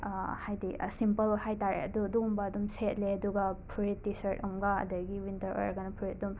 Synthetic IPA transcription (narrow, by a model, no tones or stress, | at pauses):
hajdḭsimpɐlhajtaɾḛɐ̰duɐduɡumbɐːdumset̚leɐduɡɐpʰuɾet̚disɐɾtɐmɡɐɐ̰dɐɡiwintɐɾo̰jɾɐɡɐnɐpʰuɾetɐdum